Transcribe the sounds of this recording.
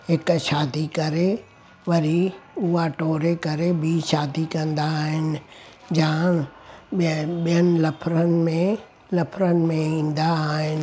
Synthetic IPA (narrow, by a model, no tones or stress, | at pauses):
ɦɪkʃaːd̪ikɐɾe | ʋɐɾiʊɦaʈoːɾekɐɾebiːʃaːd̪ikɐ̃nd̪aːɦɪnɪ̆ | d͡ʑãː | ɓijənɪ̆lɐpʰɾənɪ̆mẽ | lɐpʰɾənɪ̆mẽĩːn̆d̪aːɦɪnɪ̆